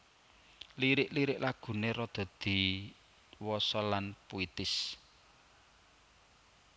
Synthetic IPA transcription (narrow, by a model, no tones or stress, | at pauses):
liɾɪʔliɾɪʔlaɡ̥ṳneɾɔd̪̥a̤d̪̥i̤ | wɔsɔlanpoit̪ɪs